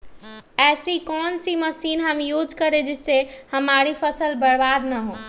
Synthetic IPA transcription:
ɛːsikɔnsiməsinɦəmjud͡ʒkəɾed͡ʒɪsehəmaɾipʰəsəlbəɽbad̪nəɦo

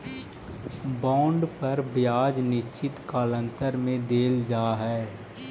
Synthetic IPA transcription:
bɔ̃ːɳɖpɐɾbjaːd͡ʒnɪʃt͡ʃɪt̪kaːlə̃nt̪əɾmẽd̪eːld͡ʒaːɦɛː

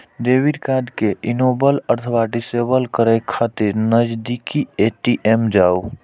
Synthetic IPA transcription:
ɖ̪ebiɖkaɖkeʔinobələɾt̪ʰəbaɖisebəlkəɾɛkʰat̪iɾnəd͡ʒd̪ikieʈiʔemd͡ʒaːo

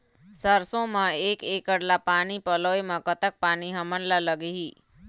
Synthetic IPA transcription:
səɾsõmãekekəɽlapanipəloemãkət̪ək̚paniɦəməɳlaləɡeɦi

